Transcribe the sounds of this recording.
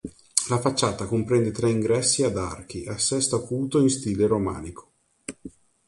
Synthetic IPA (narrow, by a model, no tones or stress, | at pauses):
lafat͡ʃːaːt̪akompɾɛnd̪et̪ɾɛiŋɡɾɛsːiad̪a̰rk̟iʔasːɛst̪oakuːt̪oinst̪iːleɾoma̰ːnikʰo̥